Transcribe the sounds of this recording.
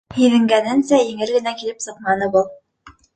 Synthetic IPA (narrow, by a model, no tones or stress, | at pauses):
hiðɘ̆ŋɡænɘnsæjɘ̆ŋɘ̆lɡɘ̆nækilɘpsɤ̆qmɑnɤbulˠ